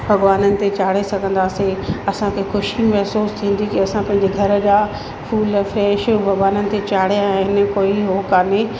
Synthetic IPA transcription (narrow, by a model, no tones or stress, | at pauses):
bʱɐɠʋaːnənɪ̆t̪et͡ɕaːɽ̤esɐɡʱə̃n̆d̪aːseɐsãkʰexʊʃimɐɦsuːst̪ʰĩːn̆d̪ikiɐsãpɐ̃ɦɪ̃ɲd͡ʑeɡʱɐɾə̆d͡ʑaː | fuːlfɾɛːʃbʱɐɡʋaːnənɪ̆t̪et͡ɕaːɽ̤ijãɛ̃ɦɪnə̆koːiɦoːkaːne